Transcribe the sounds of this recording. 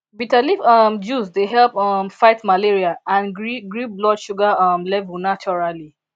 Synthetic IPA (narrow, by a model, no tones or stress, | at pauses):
bitaliʌmd͡ʒusdeɦɛlpɔmfaɪtmaleɹiaãniɡɹiblɔdʃuɡaʌmlɛvənat͡ʃɔɹali